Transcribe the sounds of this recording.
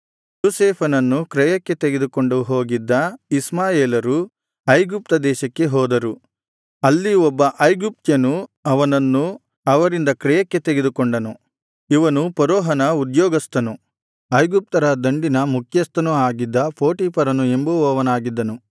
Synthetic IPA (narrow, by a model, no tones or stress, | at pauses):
joːseːpʰɐnɐnːukɾɛjɐkːe̞t̪eɡed̪ukoɳɖuɦo̞ːɡid̪ːɐismaːjeːlɐɾu | ɐjɡup̚t̪ɐd̪ɛːʃɐkːe̞ɦɔːd̪ɐɾu | ɐlːiɔbːɐʔɐjɡup̚t̪jɐnuɐʋɐnɐnːu | ɐʋɐɾind̪ɐkɾɛjɐkːe̞t̪eɡed̪ukoɳɖɐnu | iʋɐnupɔɾɔːɦɐnɐud̪jɔːɡɐst̪ɐnu | ɐjɡup̚t̪ɐɾɐd̪ɐɳɖinɐmukʰjɐst̪ɐnuaːɡid̪ːɐpʰoːʈiːpʰɐɾɐnue̞mbuɔːʋɐnaːɡid̪ːɐnu